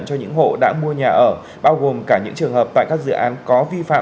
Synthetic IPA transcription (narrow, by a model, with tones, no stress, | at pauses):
nt͡ɕɔ˧ɲɨ̰˧˥ŋɦo̰˧˨ɗa̰ː˧˥mu˧əɲaː˨˩ʔəː˧˩ | ɓaː˧wɣo˨˩mkaː˧˩ɲɨ̰˧˥ŋt͡ɕɨ˨˩əŋɦəː˨˩pt̪a̰ː˧˨jkaː˦˥k̚zɨ̰˧˨ʔaː˨˦nkɔ˨˦vi˧fa̰ː˧˨